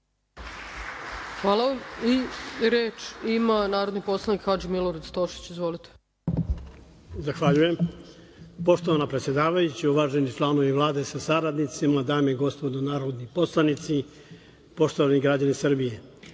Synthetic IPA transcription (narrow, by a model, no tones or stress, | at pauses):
xʋaːlaʋamiɾeːt͡ʃimanaːɾo̞d̪nipo̞slˠanikxad͡ʒimiloɾad̪st̪oʃi̥t͡ɕizʋo̞lit̪e̥ | zaxʋaʎuje̞m | po̞ʃt̪oʋanapɾet̪sjed̪aːʋajut͡ɕiuʋaːʒenit͡ʃlano̞ʋiʋlˠaːd̪esasaɾad̪nit̪simad̪aːmɡo̞spo̞d̪onaːɾod̪nipo̞slˠanit̪si | po̞ʃt̪oʋaniɡɾad͡ʑanesr̩bije̞